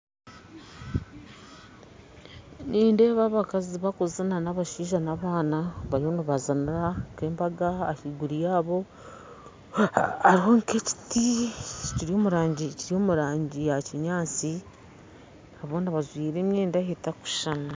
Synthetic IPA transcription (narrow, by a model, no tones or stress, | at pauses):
nʔiːnde̞ːβaβakaziβakuzananaβaʃiːʒanaβaːnaβaɾihoniβazaniɾakeːmbaɡaːhiɡuɾijaːβo̞ | aɾiho̞ŋke̞ci̥ticiɾio̞ːmuɾaːɲɟiciɾio̞ːmuɾaːɲɟijaciɲaːt͡si | aβoːnaβazwiːɾe̞ːmjeːndahetaku̥ʃana